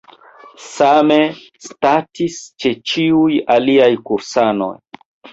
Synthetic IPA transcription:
same̞ | statist͡ʃe̞t͡ʃiujaliajkuɾsano̞̰j

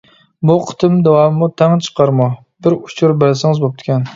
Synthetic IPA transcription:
buqʰɨ̥t̪ʰɨmd̪ɛwɑmmut̪ʰæŋt͡ʃʰə̥qʰɑɾmɑ | bɪɾʊ̥t͡ʃʰʊɾbelsɪŋɨzbop̚t̪ʰɪ̥kʲɛn

